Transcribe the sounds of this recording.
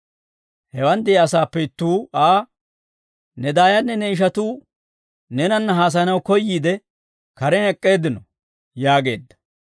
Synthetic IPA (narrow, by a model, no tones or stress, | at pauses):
hɛwɐnd̪ɪɐsaːpːɛɪt̪ːuːaː | nɛd̪aːjɐnːɛnɛɪʃ̬ɐt̪uː | nɛnɐnːɐɦaːs̬ɐnɐwkɔjːiːd̪ɛ | kɐɾɛnɛkʼːe̞ːd̪ːɪnɔ | jaːɡe̞̰ːd̪ːɐ̥